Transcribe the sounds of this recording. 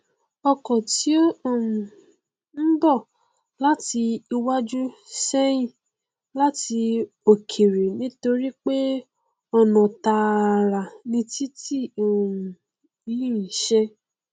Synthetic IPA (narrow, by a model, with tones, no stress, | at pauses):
ɔ˧kɔ̃˨ti˨˦o˦o˦˨mũ˨ | n̩˦bɔ˦˨ | la˦ti˧i˧wa˦d͡ʒu˦sɛ˦j̃ĩ˦˨ | la˦ti˧ | o˨kʰe˨ɾi˨nĩ˨˦to˧ɾi˦k͡pe˦ | ɔ˧nɔ̃˨ta˧˨ɾa˨nĩ˧ti˦ti˦˨o˨ | i˦ĩ˦˨ʃɛ˧